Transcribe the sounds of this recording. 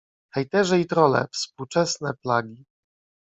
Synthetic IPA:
xɛjt̪ɛʐɛit̪ɾɔlɛ̰fspuwt͡ʂɛsnɛplaɡʲi

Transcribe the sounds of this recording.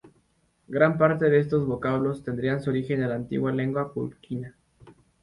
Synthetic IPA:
ɡɾampaɾt̪eðe̞e̞s̬t̪o̞zβo̞kaβlo̞st̪e̞nd̪ɾiansuoɾixe̞nd̪elaːnt̪ḭɣwale̞ŋɡwapṵlkina

